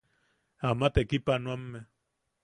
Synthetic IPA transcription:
amat̪ekipanuamːe

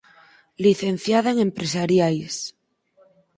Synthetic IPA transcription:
liθen̟θjaðaeŋempɾesaɾjajs

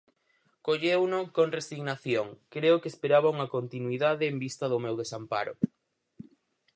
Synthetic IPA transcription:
koʎewnʊkoŋresiɣnaθjoŋkɾeʊkeespeɾaβauŋɐkont̪inwiðaðɪːmbist̪ɐðʊmewðesampa̰ɾʊ̰

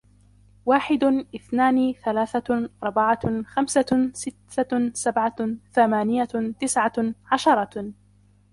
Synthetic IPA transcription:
waːħɪd̪ʔɪθnaːnθalaːθaʔɑɾˤbaʕaxamsasɪt̪ːasabʕaθamaːnɪjat̪ɪsʕaʕaʃɑɾˤɑ

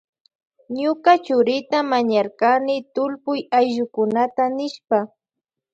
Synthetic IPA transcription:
ɲʊkat͡ʃʊɾɪt̪amaɲaɾkanɪt̪ʊlpʊjajʒʊkʊnat̪anɪʃpa

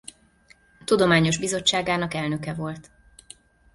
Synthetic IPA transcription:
t̪ud̪o̞maːɲo̞ʒbizo̞t͡ʃːaːɡaːnɒkɛlnø̞kɛvo̞lt̪

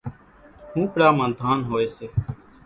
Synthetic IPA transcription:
hũːpɽaːmãːd̪ʱaːnɦoːeːseː

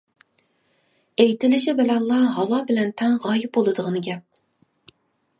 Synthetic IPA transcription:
ejt̪ɪlɪʃɪbɪlɛnlˠːɑɦɑwɑbɪlɛnt̪ʰɛŋʁɑːjɪp̚bolˠɨd̪əʁənɨɡʲɛp̚

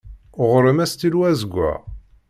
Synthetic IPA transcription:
ʁəɾəmæst̪ilwæzəɡʷːæ̰

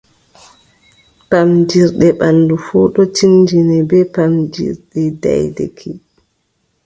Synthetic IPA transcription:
pamd͡ʒiɾɗɛɓandufuːɗɔt͡ʃind͡ʒinɛbɛpamd͡ʒḭɾɗɛda̰jdḛkʰi

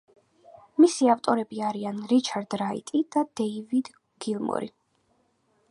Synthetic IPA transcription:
misiaft̪ʼɔɾɛbiaɾianɾit͡ʃʰaɾd̪ɾaḭt̪ʼid̪̥ad̪ɛivid̪ | ɡ̥ilˠmɔ̰ɾḭ

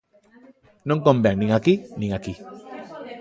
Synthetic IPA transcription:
noŋkombeaŋnĩŋakinĩŋaki

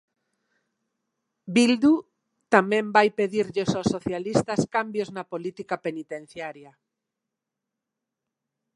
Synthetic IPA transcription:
bild̪u | t̪amɛ̃mbajpeðiɾʎesosːoθjalist̪askambjoznapolit̪ikapenit̪ẽn̟θjaɾja

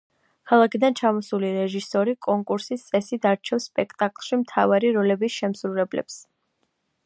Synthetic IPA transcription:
kʰalˠakʰid̪ant͡ʃʰamɔsuliɾɛʒisɔɾikʼɔŋkʼuɾsist̪sʼɛsid̪aɾt͡ʃʰɛfspʼɛkʰt̪ʼakʼlˠʃimt̪ʰavaɾiɾɔlɛbisʃɛmsɾuɾɛblɛ̰ps

